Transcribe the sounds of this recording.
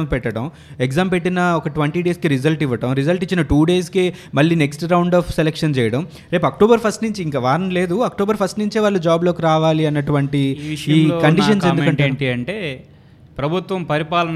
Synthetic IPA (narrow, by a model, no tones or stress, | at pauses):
mpɛʈːɐʈɐm | eɡzaːmpeʈːinɐɔkɐʈʋeɳʈiːɖe̞ːskiɾid͡ʒɐlʈiʋːɐʈɐmɾid͡ʒɐlʈit͡ʃːinɐʈuːɖe̞ːskimɐɭːiːneksʈɾɐwɳɖɐːfselekʂɐnt͡ʃɛːjɐɽɐm | ɾe̞ːp̬ɐk̚ʈoːbɐɾpʰɐsʈnuɲt͡ʃiːŋkaːʋaːɾɐnle̞ːd̪uɐkʈoːbɐɾpʰɐsʈnuɲt͡ʃeːʋaːɭːud͡ʒaːblo̞ːkiɾaːʋaːliɐnːɐʈuʋɐɳʈiiiːkɐɳɖiʃɐnsed̪kɐɳʈeeːɳʈiɐɳʈe̞ː | pɾɐbʱut̪ʋɐmpɐɾipaːlɐn